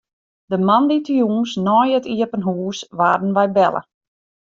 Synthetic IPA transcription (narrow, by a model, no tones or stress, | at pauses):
dəmanditjuːnsnɔːjətiəpənɦuːsʋaːrdən̩ʋɛjbɛlˠʔə̰